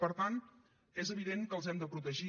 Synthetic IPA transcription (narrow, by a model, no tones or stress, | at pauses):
pəɾt̪an | ezəβiðeŋkəlˠzɛmd̪əpɾut̪əʒi